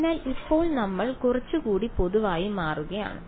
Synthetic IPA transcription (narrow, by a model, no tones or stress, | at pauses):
naːlɪpːoːɭnɐmːɐɭkʊrɐt͡ʃːɯkuːɽipɔðɯʋaːjimaːrɯɣɐja̰ːnɐ̰